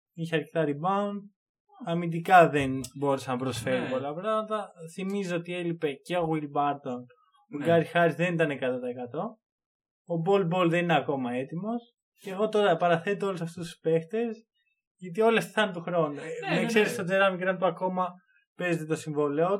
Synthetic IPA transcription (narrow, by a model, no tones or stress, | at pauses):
içeɐɾce̞t̪ɐɾibɐund̪̚ | ɐmind̪ikɐðe̞nbo̞ɾesɐnɐpɾo̞sfe̞ɾupo̞lɐpɾɐɣmɐt̪ɐθimizoot̪ie̞lipe̞ceoɣwilbɐɾt̪o̞n | oɡɐɾixɐɾizðe̞nit̪ɐne̞kɐt̪ot̪ɐekɐt̪o̞ | obo̞lbo̞lðe̞nineɐko̞mɐe̞t̪imo̞s | ceɣo̞t̪o̞ɾɐpɐɾɐθe̞t̪oolusɐft̪ust̪u̥spe̞xt̪e̞s | ʝɐt̪̬io̞lest̪i̥θɐnt̪uxɾo̞nuekse̞ɾist̪o̞d͡zeɾɐmikɾɐnt̪uɐko̞mɐ | pe̞zet̪e̞t̪o̞siɱvo̞leo